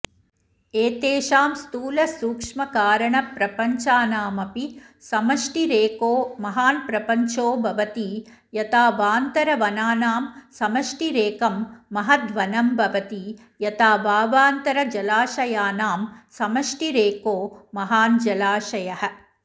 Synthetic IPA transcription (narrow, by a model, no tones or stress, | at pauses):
eːt̪eːʃaːmst̪uːlɐsuːkʂmɐkaːɾɐɳɐpɾɐpɐɲt͡ʃaːnaːmɐpi | sɐmɐʂʈiɾeːkoːmɐɦaːnpɾɐpɐɲt͡ʃoːbʱɐʋɐt̪i | jɐt̪aːʋaːnt̪ɐɾɐʋɐnaːnaːmsɐmɐʂʈiɾeːkɐmːɐɦɐt̪ʋɐnɐmbʱɐʋɐt̪i | jɐt̪aːʋaːʋaːnt̪ɐɾɐd͡ʒɐlaːʃɐjaːnaːmsɐmɐʂʈiɾeːkoːɐɦaːnd͡ʒɐlaːʂɐjɐɦɐ̆